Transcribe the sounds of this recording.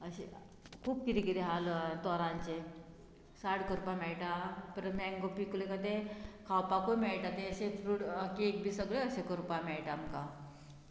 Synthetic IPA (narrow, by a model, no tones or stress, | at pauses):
əɕe | kʰuːp̚kiɾikiɾeɦalt̪ɔɾãɲt͡ɕe | saɽkoɾupamɛɭʈapəɾmɛ̃ŋɡopikulekat̪ekʰawpakojmɛɭʈat̪eəɕefʰɾuːʈkiek̚bʱiːsəɡɭeəɕekəɾupamɛɭʈamka